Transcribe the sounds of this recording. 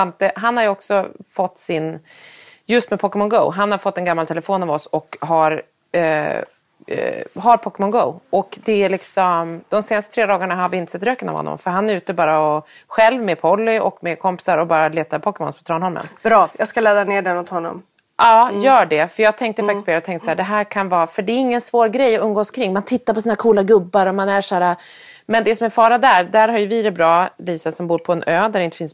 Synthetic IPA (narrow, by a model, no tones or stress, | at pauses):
ant̪̚d̪ɛɦanhaɾjɔksɔfɔt̪ːsɪn | jɵst̪mɛpʰɔkɛmɔnɡo̰ʊɦanhaɾfɔt̪ːɛnɡamːalt̪ʰɛləfoːnavɔsɔkɦaɾ | ɦaɾpʰɔkːɛmɔnɡo̰ʊɔkd̪ɛæɭɪksɔmd̪̥ɔmseːnast̪ət̪ʰɾeːd̪ɑːɡaɳaɦaɾvɪɪnt̪əsɛt̪ːɾøːkəna̰vhɔ̰nːɔ̰mfœɾɦanæɾʉ̟ːt̪əbɑːɾaɔɧɛlvmepʰɔlːɪɔkmekʰɔmpɪ̥saɾɔbɑːɾaleːt̪aɾpʰɔkəmɔ̰nspʰɔt̪ʰɾɑːnhɔɾmə̰nb̥ɾɑːjɑɡskalɛːd̪aneːɖɛnʊt̪hɔnːɔ̰m | ʔɑːjœːɖɛfœɾjɑːɡ̚t̪ʰɛŋk̚t̪əfak̚t̪ɪspʰɔeɾɔt̪ʰɛŋk̪t̪əsaæːɖɛɦæːɾkʰanvɑːfœɖɛːɾɪŋːənsvoːɾɡɾɛjːɔɵmːɡoːskʰɾɪŋːmant̪ʰɪt̪ːaɾpʰɔsiːnakʰuːlaɡɵbːaɾɔmanæʂæːɾa | mɛnd̪ɛsɔmæɾfɑːɾad̪æɾd̪æɾɦaɾjɵvɪɾɛbɾɑːliːsasɔmbuːɾpʰɔɛnʔøːd̪æɖɛɪnt̪əfɪns